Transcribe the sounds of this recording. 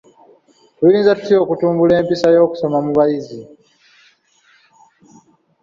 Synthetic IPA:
twiɾiːnzatu̥tio̞ːkutuːmbule̞ːmpisajo̞ːku̥so̞mamuβajizi

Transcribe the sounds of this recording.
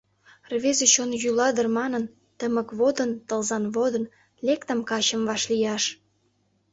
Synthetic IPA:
rβezet͡ɕonjylɑd̪ərmɑnən | t̪əməkβod̪ənt̪əlzɑnβod̪ə̆n | lekt̪əmkɑt͡ɕəmvɑʃlijɑʃ

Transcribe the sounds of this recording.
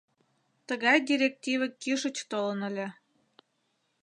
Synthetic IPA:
t̪əɣɑjd̪ʲiɾʲek̚tʲivə̆kiʃə̆t͡ɕt̪olɤ̆nə̆lʲĕ

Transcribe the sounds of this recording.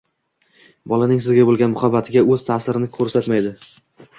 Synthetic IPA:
bɒlanɪŋsɪzɡʲabolɡʲanmʊχabat̪ʰɪɡʲaɵz̥t̪ʰasɪɾɪnɪkʰɵɾsat̪majd̪ɪ

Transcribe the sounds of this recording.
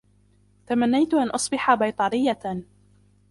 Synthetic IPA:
t̪amanːajt̪ʊʔanʔɑsˤbɪħabajt̪ˤɑɾɪjːa

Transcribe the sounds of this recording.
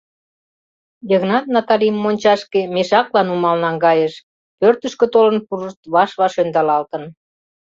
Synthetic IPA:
jəɣnɑt̪̚nɑt̪ɑlimːonʲt͡ɕɑʃkemeʃɑklɑnumɑlnɑnɡɑjəʃ | pørt̪əʃkø̆t̪olə̆npuɾəʃt̪βɑʃβɑʃønd̪ɑlɑlt̪ən

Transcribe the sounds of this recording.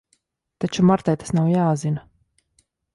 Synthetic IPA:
t̪at͡ʃumaɾt̪ajt̪ḁsnawjaːzina

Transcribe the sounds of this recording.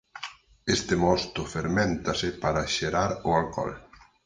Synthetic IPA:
est̪emɔst̪ʊfeɾmẽnt̪asɪpaɾaʃeɾaɾʊalkɔ̰l

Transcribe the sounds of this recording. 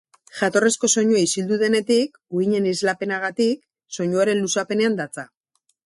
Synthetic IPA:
ʝat̪o̞resko̞so̞ɲuaisild̪uðe̞ne̞t̪ik | uiɲe̞nizlape̞naɣ̞at̪ik̚ | so̞ɲuaɾe̞nlusape̞ne̞and̪at͡sa

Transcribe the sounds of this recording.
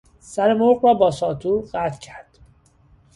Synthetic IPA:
sæɾemoɾɣɾɒːbɒːsɒːt̪ʰuːɢæːt̪ʰcʰæɾd̪̥

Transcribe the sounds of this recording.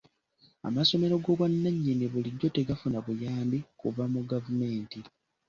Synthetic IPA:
a̰maso̞me̞ɾo̞ɡo̞βwanːaɲːeniβuliɟːo̞te̞ɡafunaβujaːmbikuvamuɡavume̞ːnti

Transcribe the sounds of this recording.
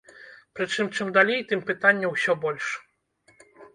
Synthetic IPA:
pɾɨt͡ʂɨmt͡ʂɨmd̪alʲejt̪ɨmpɨt̪anʲːɐwsʲɔbɔlʲʂ

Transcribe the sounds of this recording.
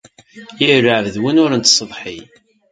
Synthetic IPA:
jirːəʕvðwinʊɾənt̪sˤəðˤħi

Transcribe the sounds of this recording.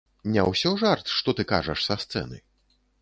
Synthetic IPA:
nʲɛ̰wsʲɔʐart̪ʂt̪ɔt̪ɨka̰ʐɐʂsɐst̪sɛ̰nɨ̰

